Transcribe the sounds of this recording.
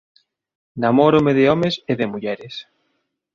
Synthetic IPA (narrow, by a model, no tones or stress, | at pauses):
namɔɾʊmeðɪɔmeseðɪmuʎɛɾɪs